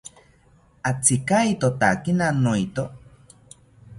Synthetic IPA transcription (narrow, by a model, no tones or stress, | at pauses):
at͡sikait̪ot̪a̰kinanoit̪o